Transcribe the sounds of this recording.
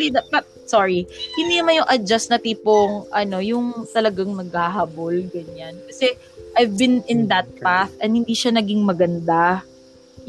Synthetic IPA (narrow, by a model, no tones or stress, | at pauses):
lid̪apɐt̪̚ | soɹihɪnd̪inɐmanjʊŋʔɐd͡ʒasnɐt̪iːpoŋʔɐno̞jʊŋt̪ɐlɐɡaŋnɐɡ̚haɦabolɡɐɲankɐsɛ | ʔajvbɪnɪnd̪ɐt̪̚paθʔɐnhɪnd̪iːʃanɐɡiŋmɐɡɐnd̪a | j